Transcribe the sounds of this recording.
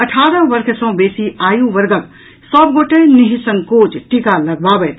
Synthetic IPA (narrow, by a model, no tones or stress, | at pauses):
əʈʰaːɾə̃ʋəɾkʰsə̃w̃beːsiaːjũʋəɾɡək | səbɡoʈeniɦisə̃ŋkoːt͡ʃʈikalɐɡ̚babəjt̪